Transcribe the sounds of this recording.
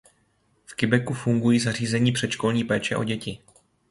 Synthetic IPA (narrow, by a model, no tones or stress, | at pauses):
fkɪbɛkufuŋɡujiːzar̝iːzɛɲiːpr̝̥ɛt̪ʃko̞lɲiːpɛːt͡ʃɛʔo̞̰ɟɛcɪ